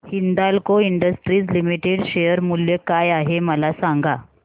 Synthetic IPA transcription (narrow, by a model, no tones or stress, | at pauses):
hind̪alkoiɳɖəsʈɾiːt͡slimiʈeɽɕejəɾmuljəkajaɦeməlasaŋɡa